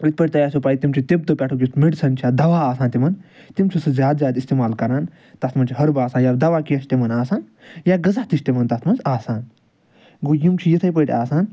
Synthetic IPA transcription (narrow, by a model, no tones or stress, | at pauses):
it̪̚pɐʈ̚ʲt̪ɐjaːsʲopaːjt̪imt͡ʃʰit̪eb̚t̪ɨpʲɛʈʰukʲist̪miʈsʰɐnt͡ʃʰaːd̪ɐʋaːaːsaːnt̪imɐnt̪imt͡ʃʰisɨzʲjaːd̪zjaːd̪ist̪eːmaːlkɐɾaːn | t̪ɐst̪ʰmɐnt͡ʃʰiɦɐɾbaːsaːnjaːbd̪ɐʋaːkiɐʃt̪imɐnaːsaːn | jaːɡɐzaht̪iʃʲt̪emɐnt̪ɐt̪mɐnzaːsaːn | ɡojimt͡ʃʰijit̪ʰɐjp̬əjʈʲaːsaːn